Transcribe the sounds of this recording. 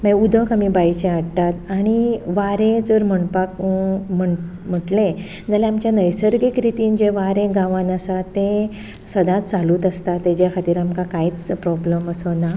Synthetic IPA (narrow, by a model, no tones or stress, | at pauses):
məud̪ʱəkamibajt͡ɕeaɽt̪at̪aɽ̃iʋaɾẽd͡zəɾm̤əɳpakm̤əɳ | m̤əʈlẽ | d͡zaleamt͡ɕjanəjsəɾɡikɾit̪iːnd͡ʑeʋaɾẽɡãʋanəsat̪ẽ | səd̪ʱãt̪t͡saluːt̪əst̪at̪ːed͡ʑjakʰat̪iːɾamkakaiːt͡spɾɔbləməsona